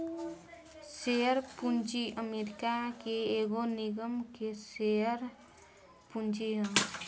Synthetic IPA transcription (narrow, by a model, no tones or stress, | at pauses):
seəɾpunt͡ʃiʔəmeɾikakeeɡoniɡəmkeseəɾ | punt͡ʃiɦə̃